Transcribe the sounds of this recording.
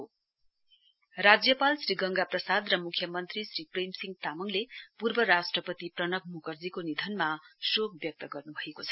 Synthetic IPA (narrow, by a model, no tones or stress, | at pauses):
ɦo | rad͡zjʌpalsriɡʌŋɡaprʌsad̪rʌmukʰjʌmʌnt̪risripremsiŋt̪amʌŋlepurbʌɾasʈrʌpʌt̪iprʌnʌk̚mukʌrd͡zikonid̪ʱʌnmasok̚bjʌk̚t̪ʌɡʌrnubʱʌekot͡sʰʌ̥